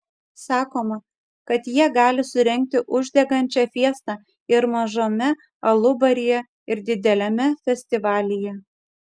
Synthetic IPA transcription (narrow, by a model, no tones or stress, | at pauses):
sɑːkoːmɐ | kɐt̪jiɛɡɑːlʲɪsʊɾʲɛŋʲk̚t̪ʲɪʔʊʒʲd̪ʲɛɡɐnʲt͡ʃʲɛfʲiɛst̪ɑ | ɪɾmɐʒoːmʲɛ | ɐlˠʊbɐɾʲɪjɛ | ɪɾd̪ʲɪd̪ʲɛlʲɛmʲɛfʲɛsʲt̪ʲɪʋɑːlʲɪjɛ